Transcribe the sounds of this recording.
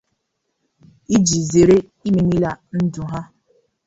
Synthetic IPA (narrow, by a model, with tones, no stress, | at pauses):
i˦d͡ʒi˨ze˨ɾe˦ | i˦me˨ni˦la˦n̩˦dʊ˨ɦa˦